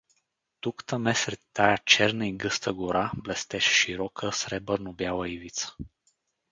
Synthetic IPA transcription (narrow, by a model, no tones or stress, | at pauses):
t̪ukt̪əmɛsɾɛt̪ːajat͡ʃɛɾnəiɡəst̪əɡuɾablɛst̪ɛʃʃiɾɔkʰəsɾɛbəɾnobjalˠəivit̪sə̥